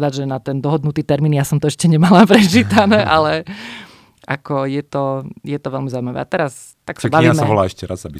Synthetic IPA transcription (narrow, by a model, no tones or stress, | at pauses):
d̪aɟʒɛnat̪ɛnd̪ɔɦɔd̪nut̪iːt̪ɛɾmiːnjasɔmt̪ɔɛʃcɛɲɛmalapɾɛt͡ʃiːt̪anɛːʔalɛ | ʔakɔjɛt̪ɔjɛt̪ɔʋɛlmizaʊimaʋɛ̰at̪ɛɾas | t̪aksabaʋiːaːmɛɔlaːɛʃcɛɾazabi